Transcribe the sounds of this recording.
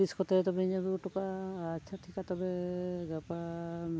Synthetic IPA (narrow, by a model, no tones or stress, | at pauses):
iskɔt̪ɛt̪ɔbɛiɲabiʈɔkaːtt͡ʃʰaʈʰikat̪ɔbɛɡapam